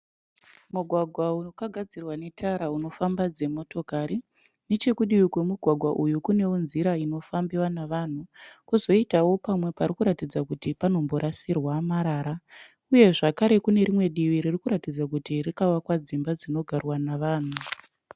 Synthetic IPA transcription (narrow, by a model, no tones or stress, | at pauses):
muɡʱwaɡʱwauokaɡʱad͡zirwane̞tʰaɾauno̞fambad͡ze̞mo̞to̞kaɾi | ne̞t͡ʃe̞kuɗiwikwemuɡʱwaɡʱwaʔujukune̞wonziɾaino̞fambiwanaʋan̤ukuzo̞itawo̞pamwe̞paɾikuɾatid͡zakutipano̞mbo̞ɾʔasirwamaɾaːɾa | uje̞ʐakaɾe̞kune̞ɾimwe̞ɗiʋiɾirikuɾatid͡zak̬utirikawakwad͡zimbad͡zino̞ɡʱarwanaʋaːn̤u